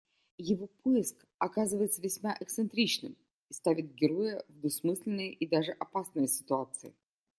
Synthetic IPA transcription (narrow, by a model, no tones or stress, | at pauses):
jɪvopʰojɪsk | ɐkazɨvəjɪt̪səvʲɪsʲmaʔɛkt̪sɨnt̪ɾʲit͡ɕnɨm | ist̪avʲɪt̪̚ɡʲɪɾojəvd̪ʊsmɨsʲlʲɪnːɨjəʔid̪aʐɨʔɐpasnɨjəsʲɪ̥t̪ʊat̪sɨɪ̰